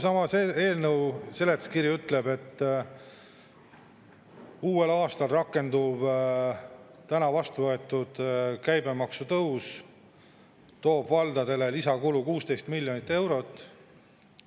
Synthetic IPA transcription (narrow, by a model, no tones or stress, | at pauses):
sɑmɑseeːlnɤwse̞let̪skiɾjiyt̪le̞be̞t̪ː | uːe̞lɑːst̪ɑlrɑkːˑe̞nd̪ub̥ | t̪ænɑvɑst̪uvɤe̞t̪ːˑud̪̥kæjbe̞mɑksut̪ɤws | t̪o̞ːb̥vɑld̪̥ɑd̪e̞lelisɑkulukuːst̪e̞jst̪milʲːjo̞nit̪ːˑe̞wɾo̞t̪ːˑ